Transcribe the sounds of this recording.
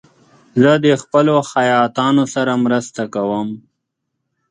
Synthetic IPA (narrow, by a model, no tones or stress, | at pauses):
zəd̪əxpəloxajɑːt̪ɑnosaɾamɾəst̪akawəm